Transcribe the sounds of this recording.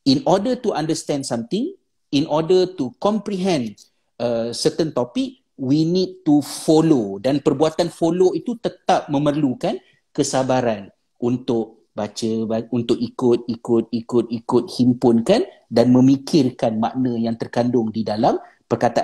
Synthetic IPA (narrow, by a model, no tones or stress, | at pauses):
inɔdət̪uandəst̪ɛndsamt̪ɪŋ | inʔɔdət̪ukɔmpɾiɦɛ̃n | əsət̪ənt̪opik̚ | winid̚t̪ufolodanpərbuat̪anfoloit̪ut̪ət̪ap̚mə̃mərlukan | kəsabaɾan | ʔunt̪ʊʔ̚ | bat͡ʃəbaunt̪ʊʔikʊt̪̚ikʊt̪̚ikʊt̪̚ikʊt̪̚himpʊnkan | danmə̃mikʰɪrkanmaʔnə̃jaŋt̪ərkandʊŋdidalam | pərkat̪aʔ